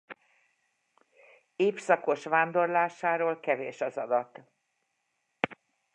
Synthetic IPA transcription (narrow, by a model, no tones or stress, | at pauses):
eːfsɒko̞ʃʋaːnd̪o̞rlaːʃaːɾoːlkɛveːʃɒzɒd̪ɒt̪